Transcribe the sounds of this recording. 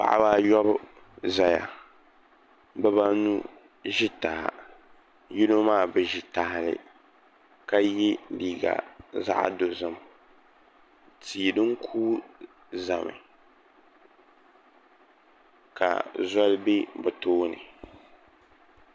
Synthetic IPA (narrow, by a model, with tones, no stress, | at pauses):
pa̰˨ʔa̰˦ba˦jɔ˦b | za˨ja̰˨ | bɛ˦ba˦nu˦ | ʒi˦ta˨ha̰˨ | ji˦no˦maː˦˨bɨ˨ʒi˨ta˨hlɪ̰˨ | ka˦ji˦liː˨ɡa̰˨za̰˦ʔdo˨zɨ˦˨m | tʰiː˨dɨ˦ŋkʰuː˦ | za˨mɨ̰˨ | ka̰˨zɔ˦lbe˦bɨ˨toː˦nɨ̰˨